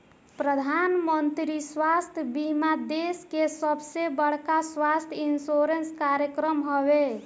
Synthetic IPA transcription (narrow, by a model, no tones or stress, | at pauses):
pɾəd̪ʱanmənt̪ɾiswast̪ʰjbimad̪eskesəbsebəɽ̤kaswast̪ʰjinsoɾenskaɾjəkɾəmɦɔβe